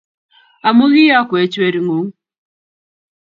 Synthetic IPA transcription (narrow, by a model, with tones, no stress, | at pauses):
a˨mu˦ɣi˦ja˦kwɛ˨˦t͡ʃe˦ɾi˨ŋo˨˦ŋ˦